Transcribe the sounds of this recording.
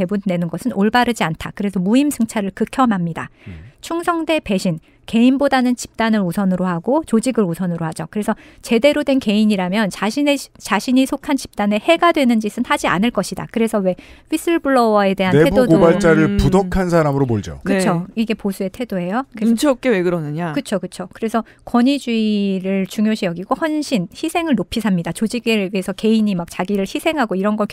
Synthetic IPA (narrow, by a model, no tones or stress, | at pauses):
e̞bune̞nɯnɡʌsʰɯnoɭbaɾɯd͡ʑiantʰakɯɾe̞sʰʌmuimsʰɯŋt͡ɕʰaɾɯɭkɯkʰjʌmɦamɲida̰t͡ɕʰuŋsʰʌŋde̞pe̞ɕʰin | ke̞inbodanɯnt͡ɕi̥p̚t͈anɯɾosʰʌnɯɾohaɡot͡ɕod͡ʑiɡɯɾosʰʌnɯɾoɦad͡ʑokɯɾe̞sʰʌt͡ɕe̞de̞ɾodwe̞nke̞iɲiɾamjʌnt͡ɕaɕʰinet͡ɕaɕʰiɲisʰokʰant͡ɕi̥p̚t͈ane̞he̞ɡadwe̞nɯnd͡ʑisʰɯnhad͡ʑia̰nɯɭk͈ʌɕʰida̰kɯɾe̞sʰʌwe̞ɸis͈ʰɯɭbuɭːʌwae̞tde̞ɦaneebudodɡobaɭt͡ɕ͈aɾɯɭpudʌkʰansʰaɾamɯɾoboɭd͡ʑo̰kɯoiɡe̞posʰue̞tʰe̞doejoint͡ɕʰʌp̚k͈eweɡɯɾʌnɯɲakɯt͡ɕʰokɯt͡ɕʰokɯɾe̞sʰʌ | kwʌɲid͡ʑuiɾɯɭt͡ɕuŋjoɕʰijʌɡiɡohwʌnɕʰinçisʰe̞ŋɯɭnopʰisʰamɲidat͡ɕod͡ʑiɡe̞ɡeesʰʌke̞iɲimak̚t͡ɕaɡiɾɯɭçisʰe̞ŋɦaɡoiɾʌnɡʌɭk